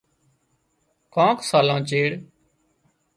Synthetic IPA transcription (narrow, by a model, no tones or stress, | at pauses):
kãːksaːlãːt͡ʃeːɽ